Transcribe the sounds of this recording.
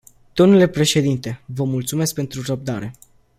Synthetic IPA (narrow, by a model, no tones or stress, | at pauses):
d̪̥o̞mnule̞pɾe̞ʃe̞d̪int̪e̞vəmult̪sume̞sk̚pe̞nt̪ɾurəb̚d̪aɾe̞